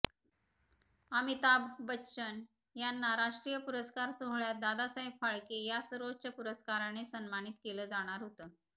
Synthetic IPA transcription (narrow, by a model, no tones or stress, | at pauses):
amit̪abbətːɕən | janːaɾaʂʈɾijəpuɾəskaɾsoɦɭjad̪ad̪asãɦipfaɭkejasəɾot͡ɕəpuɾəskaɾanesənmañit̪keləːd͡zaɽ̃aɾɦot̪ə